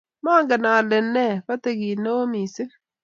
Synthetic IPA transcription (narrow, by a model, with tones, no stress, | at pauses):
maː˦ŋɡɛ˨na˨le˨nɛ˦˨βa˦te˨ɣi˨ne˦o˦miː˨se˦